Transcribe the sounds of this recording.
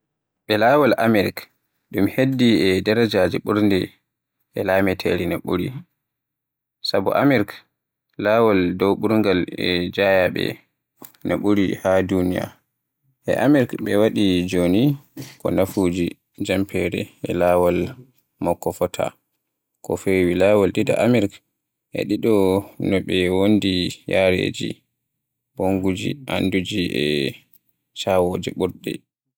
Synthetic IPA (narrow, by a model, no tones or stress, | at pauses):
ɓɛlawalʔamɛɾk | ɗumhedːiɛdaɾad͡ʒaːd͡ʒɛɓuɾndɛ | ʔɛlaːmɛtʰɛɾinaɓuɾḭ | sabɔ̰ʔamɛɾk | laːwaldɔwɓuɾŋɡalɛd͡ʒajaɓɛ̰ | nʔa̰ɓuɾihadunija̰ | ʔɛ̰ʔamɛɾkɓɛwaɗid͡ʒonikɔnafud͡ʒi | d͡ʒampʰɛɾɛɛlawal | mɔkːɔfɔtʰa̰ | kɔfewilaːwalɗida̰ʔamɛɾk | ʔɛ̰ɗiɗɔnɔɓɛwondijaɾḛd͡ʒḭ | b̥oŋɡud͡ʒḭʔandud͡ʒiɛ | t͡ʃawoːd͡ʒiɓuɾdɛ̰